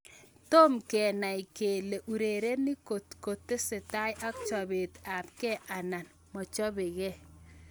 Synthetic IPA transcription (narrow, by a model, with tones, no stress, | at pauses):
to˦mkɛ˨na˨jke˨le˨ʔu˨ɾe˨ɾe˦nɪ˦ko˨tko˨tːɪ˦sɪ˨ta˦jʔa˦kt͡ʃɔ˨be˨ta˨p̚kɛ˦ʔa˨na˨n | mɔ˨t͡ʃɔ˦bɪ˨ɣɛ˦˨